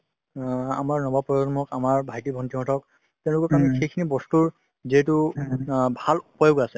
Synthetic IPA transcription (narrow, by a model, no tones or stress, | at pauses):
a̰maɹnɔbapɔɔmɔkamaɹbʱajtibʱɔntʰimɔtʰɔk̚ | tɛʊ̃lʊkɔkamixejkʰinibɔstuɹ | ziɛtʊ | bʱalupɔjɔɡasɛ